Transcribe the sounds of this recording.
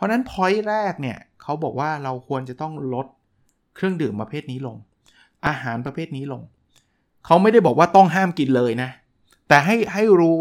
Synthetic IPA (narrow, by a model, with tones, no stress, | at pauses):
pʰɔ˦˥na˦˥npʰɔ˦˥jɾɛː˥˩k̚ni˥˩ɐkʰa˦˥wbɔ̰ː˨˩k̚waː˥˩ɾa˧wkʰu˧ənt͡ɕa˨˩t̪ɔ˥˩ŋlo˦˥t̪̚ | kʰɾɯ˥˩əŋdɯː˨˩mpɾa˧pʰeː˥˩t̪̚niː˦˥lo˧ŋ | ʔaː˧ɦaː˩˦npɾa˧pʰeː˥˩t̪̚niː˦˥lo˧ŋ | kʰa˦˥wma˥˩jda˥˩jbɔː˨˩kwaː˥˩t̪ɔ˥˩ŋɦaː˥˩mki˧nlɤː˧jna˦˥ | t̪ɛː˨˩ɦa˥˩jɦa˥˩jɾuː˦˥